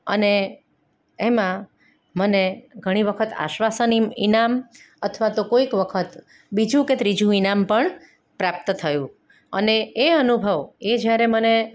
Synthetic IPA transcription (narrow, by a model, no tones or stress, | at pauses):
ə̰ne | emã | məneɡʱəɽ̃iʋəkʰət̪a̰ʃʋasəniḭnam | ət̪ʰʋat̪okoikʋəkʰət̪ | bid͡ʒũket̪ɾid͡ʒũinampəɳ | pɾap̚t̪t̪ʰəjũ | ə̰neːənubʱəʋed͡ʒjaɾeməne